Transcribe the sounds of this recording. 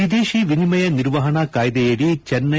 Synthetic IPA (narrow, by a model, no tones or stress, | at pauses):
id̪eːʃiʋinimɐjɐnɪɾʋɐɦɐɳɐkaːjðɐjeɽit͡ʃɛnːɐ